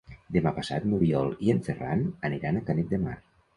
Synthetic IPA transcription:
d̪emapasa̰t̪muɾiɔlˠieɱfera̰nəniɾanakanek̪̚d̪ema̰ɾ

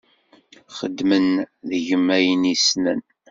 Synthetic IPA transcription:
χə̰d̪ːmənðəʝəmːæjənisnə̰n

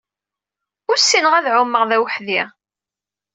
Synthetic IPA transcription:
ʊɾsːinəʁæðʕʊmːəʁðæwħði

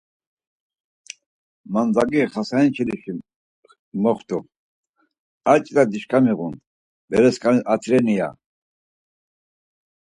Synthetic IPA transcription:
mand͡z̪aɡiχasaint͡ʃʰiliʃi | mɔχt̪ʼu | at͡ʃʼd̪ad̪iʃkʼamiʁun | bɛɾɛskʼanat̪ʰɾɛnija̰

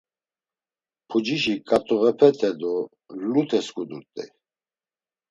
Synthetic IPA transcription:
pʰud͡ʒiʃikʼat̪ʼuɣɛpʰɛt̪ʰɛd̪ɔ | lut̪ʰɛskʰʼud̪ut̪ʼḭ

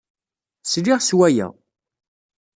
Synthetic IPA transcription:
sliʁswæjæ̰

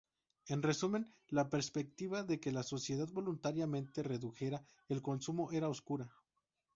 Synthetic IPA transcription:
e̞nre̞sume̞n | lape̞ɾspe̞k̚t̪iβaðe̞ke̞laso̞sje̞ð̞aðbo̞lunt̪aɾjamẽ̞nt̪e̞re̞ðuxe̞ɾa | e̞lko̞nsumo̞ʔe̞ɾaoskuɾa

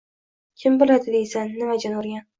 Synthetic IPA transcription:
kʲʰɪmbolˠad̪ɪd̪ejsanːɪmad͡ʒanoɾɡʲan

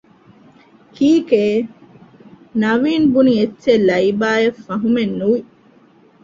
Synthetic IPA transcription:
kiːkeː | nɐʋiːnbunietːt͡ʃːelɐjbaːjefːɐɦumenːuʋi

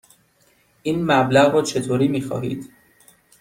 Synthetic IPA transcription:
ʔiːnmæblæɣɾɔːt͡ʃʰet̪ʰoːɾiːmiːxɒ̰ːɦḭːd̪̥

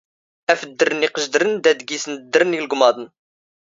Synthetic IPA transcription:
æfd̪ːəɾəniqəʒd̪əɾənd̪æd̪ɡisənd̪ːəɾənilɡʊmɑd̪ən

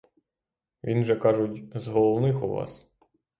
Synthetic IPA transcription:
ʋʲinʒɛkɑʒʊtʲzɦɔlˠɔwnɪxuʋɑ̰s

